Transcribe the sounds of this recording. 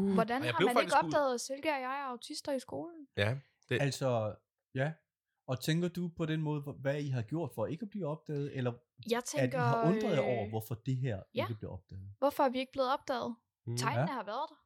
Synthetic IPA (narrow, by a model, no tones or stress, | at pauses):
ʋɒdænhɑæneɡ̥ɒ̽b̥ɛ̰ːð̩ˠselɡ̥əæjɑ̈ɪæɐɑ̈ʊt͡sʰisd̥ɐisɡ̥o̝ːln̩ | ælsɒ | jæ | ɒ̽t͡sʰeŋɡ̥ɐd̥upʰɒ̽d̥enmɔ̽ːð̞ˠəʋæiɦɑɡ̥jo̝ɐ̰d̥fɒ̽e̝ɡ̥æb̥liːɒ̽b̥̚d̥ɛ̰ːð̞̩ˠelɐ | jɑ̈ɪt͡sʰeɡ̥ɐɑɔ̽nd̥ʁɐðˠɒʊ̰ɐʋɒfɒd̥e̝ɦeɐ̰eɡ̥əb̥le̝ɒ̽b̥̚d̥ɛ̰ːð̩ˠʋɒfɒ̽æɐʋie̝ɡ̥əb̥leːð̞̩ˠɒ̽b̥̚d̥ɛ̰ːð̞̩ˠ | t͡sʰɑ̈ɪ̰nnəhɑ̈ʋæːɐðˠd̥